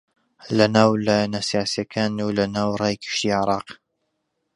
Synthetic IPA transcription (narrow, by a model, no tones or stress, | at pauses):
lɐnaːwlajanasijaːsijakʰaːnuːlɐnaːwrˤɑːjkʰɨ̥ʃt̪iːʕɪɾˤɑːq